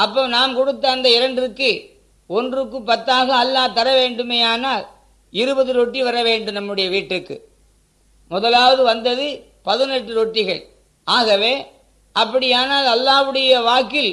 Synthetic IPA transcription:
ɐpːɐːnaːmkɔɽɯt̪ːɐːnd̪ɐɪɾɐɳɖrɯkːɯ | ɔndrɯk̬ːɯpːɐt̪ːaːɣɐːlːaːt̪ːɐɾɐʋeːɳɖɯmeːaːnaːl | ɪɾɯbɐðɯɾɔʈːiʋɐɾɐʋeːɳɖɯmnɐmːɯɽɐjɐʋiːʈrɯkːɯ̰ | mʊðɐlaːʋɐðɯʋɐnd̪ɐðɯ | pɐðɯnɛʈːɯɾɔʈːɪɣɐɭ | ʔaːɣɐʋeː | ʔɐpːɐɽɪjaːnaːlɐlːaːʋɯɽɐjɐʋaːkːɪl

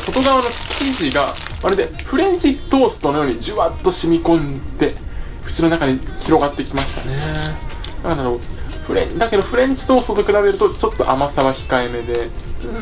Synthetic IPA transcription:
so̞t̪o̞ɡaβano̞kʲʰĩɲd͡ʑiɡa | βaɾed̪e̞ɸɯ̟ɾẽ̞ɲ̟d͡ʑit̪o̞ːsɨ̥t̪o̞no̞jo̞ːɲ̟id͡ʑɨβat̪ːo̞ɕimʲikõ̞nd̪e̞ | ɸɯ̟̥t͡ɕino̞nakaɲiçʲiɾo̞ɡat̪ːe̞kʲimaɕi̥t̪a̰ne | akanaɾoɸɯ̟ɾḛ̃d̪ake̞d̪o̞ɸɯ̟ɾẽ̞ɲ̟d͡ʑi̥t̪o̞ːsɨ̥t̪ot̪̬okɯ̟ɾabeɾɯ̟t̪ot͡ɕo̞t̪ːo̞ʔa̰masaβaçi̥kaeme̞d̪e̞

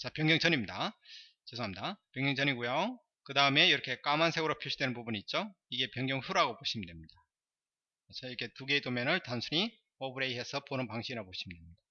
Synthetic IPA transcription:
t͡ɕapjʌŋɲjʌŋt͡ɕʰʌɲimɲida | t͡ɕesʰoamɲidapjʌŋjʌŋt͡ɕʰʌɲiɡujao | kɯdaɯme̞iɾʌkʰe̞k͈amansʰe̞ɡɯɾopʰoɭɕʰidwe̞nɯnpubuniːt̚t͡ɕ͈o | iɡe̞pjʌŋjʌŋɸuɾaɡopoɕʰiməndwe̞mɲid̥a | t͡ɕaiɾʌkʰe̞tuɡe̞itomjʌnɯɭtansʰuɲi | ʌbɯɾe̞iɦe̞sʰʌponɯnpaŋɕʰiiɾapoɕʰimɯndwemɲid̥a

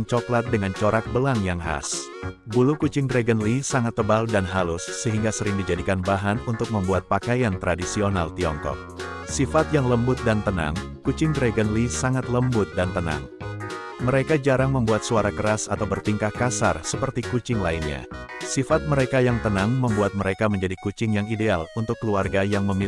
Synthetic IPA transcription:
ŋt͡ʃɔklat̪̚dəŋant͡ʃoɾak̚bəlaŋjaŋɦa̰s | bulukut͡ʃɪŋdɾeɡənlisaŋat̪ːəbaldanɦalʊsːəɦiŋɡasəɾɪŋdid͡ʒadikanbaɦanunt̪ʊk̚məmbuat̪̚pakajant̪ɾadisionalt̪iɔŋkɔ̰k̚ | sifat̪jaŋləmbʊt̪̚dant̪əna̰ŋ | kut͡ʃɪŋdɾeɡənlisaŋat̪ləmbʊt̪̚dant̪əna̰ŋ | məɾekad͡ʒaɾaŋməmbuat̪̚suaɾakəɾasat̪awbərt̪iŋkahkasa̰rsəpərt̪ikut͡ʃɪŋlainɲa̰sifat̪̚məɾekajaŋt̪ənaŋməmbuat̪̚məɾekaməɲd͡ʒadikut͡ʃɪŋjaŋidealunt̪ʊkːəluarɡajaŋməmi

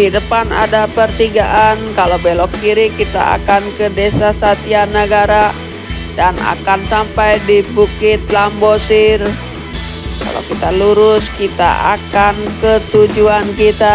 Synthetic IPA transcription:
didəpana̰dapərt̪iɡaʔankalobɛlɔkːiɾikit̪a̰a̰kankədesasat̪ianəɡaɾa | dana̰kansampajdibukɪt̪̚lambosɪr | ka̰lo̰kit̪aluɾʊskit̪a̰a̰kankət̪ud͡ʒuankit̪a

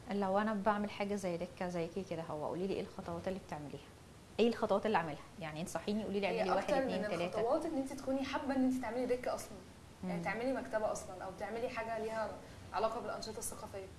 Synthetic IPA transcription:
ʔlːæwæʔænæbaʕmelħaːɡæzæjːd̪ekːæzæjːkeked̪æɦowːæ̰ʔṵːliːliːʔḛːlxɑt̪ˤɑwɑːt̪elːiːbet̪eʕmeliːhæ̥ | ʔæjːelxɑt̪ˤɑwɑːt̪elːiʕamelhæjaʕniʔenisˤɑħːiːnijʔuːliːiʕemlːiʔæwæːħed̪ɑeɾˤneːnelt̪ælæːt̪ɑæwɑːt̪elːiʔent̪it̪e̥kuːniħabːæʔenːʔent̪it̪eʕmelid̪ekːæʔɑsˤlɑn | jaʕnit̪eʕmelimækt̪æbæʔɑsˤlɑnʔæwbet̪eʕmeliħaːɡæliːhæ | ʕalɑːqɑbelʔɑnʃet̪ˤɑsːɑqɑfejːæ

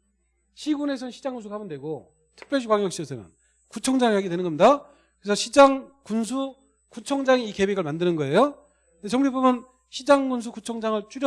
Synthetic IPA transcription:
ɕʰiɡune̞sʰʌnɕʰid͡ʑaŋɡuns̬ʰuɡahamʌndwe̞ɡo | tʰɯ̥k̚p͈jʌɭɕ̬ʰikwaŋjʌk̚ɕ͈iʌsʰɯmjʌ̰n | kut͡ɕʰʌŋd͡ʑaŋiɦaɡedwenɯnɡʌmɲida | kɯɾesʰʌɕʰid͡ʑaŋkunsʰu | kut͡ɕʰʌŋd͡ʑaŋiike̞weɡɯɭmandɯnɯnɡʌe̞jo | ndet͡ɕʌŋibomjʌn | ɕʰid͡ʑaŋɡuns̬ʰukut͡ɕʰʌŋd͡ʑaŋɯɭt͡ɕ͈uɾʌ

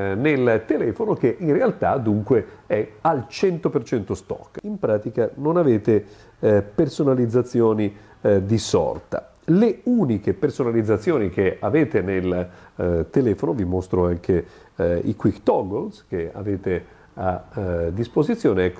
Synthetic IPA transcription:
nelt̪elɛːfonok̟eʔinrealt̪ad̪uŋkweɛalt͡ʃɛnt̪opert͡ʃɛnt̪ost̪ɔ̰kːimpɾaːt̪ikanonaveːt̪e | personalid̪zːat̪sːjoːni | d̪isɔ̰rt̪a̰ | leuːnikepersonalid̪zːat̪sːjoːnik̟eaveːt̪enel | t̪elɛːfonovimost̪ɾoaŋk̟eḭkwikt̪ɔɡolsk̟ea̰veːt̪e | ad̪ːispozit̪sːjoːneɛkːo

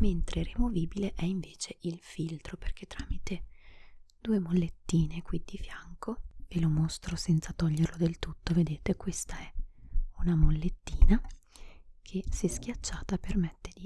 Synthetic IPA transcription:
ment̪ɾʔerimoviːbileʔɛiɱveːt͡ʃeʔilfilt̪ɾoperk̟et̪ːɾaːmit̪e | d̪̥uːemolːet̪ːiːnekwid̪ifjaŋkoelomost̪ɾosɛnt̪sat̪ɔʎːerlod̪elt̪ut̪ːoved̪eːt̪ekwest̪aɛunamolːet̪ːiːna | kʰesɛsk̟ʲjat͡ʃːaːt̪apermɛt̪ːed̪i

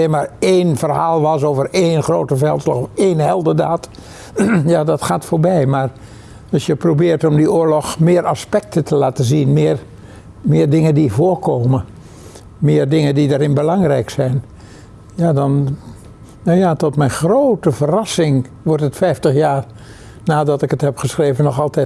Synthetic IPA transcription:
enmaːɹeːnfərhaːlˠʋɑs̬oːvəreːnxroːtəfɛlˠtslaxɔfeːnhɛlˠdədaːt | jadɑtxaːtfoːɹbɛjmar | ɑsjəprobɪːrtɔmdiʊːəlɔxmɪəɾʔaspɛk̚tətʰəlaːtəzinmɪːər | mɪːrdɪŋəndivoːrkʰoːmə | mɪːərdɪŋəndidaːɾɪnbəlɑŋrɛjksɛjn | jaːdɔn | najatɔtmɛjnxroːtəfərɑsɪŋ | ʋɔrtətfɛjftəxjaːr | naːdɑtɪkəthɛpχəsχreːvənɔxɑlˠtɛt

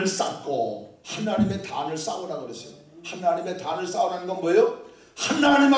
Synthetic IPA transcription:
ɯɭs͈a̰kʰohanaɲime̞tanɯɭs͈awunaɡɯɾʌsʰijo | hanːaɲime̞tanɯɭs͈awunannɡʌnmʌjo | hanːaɲim

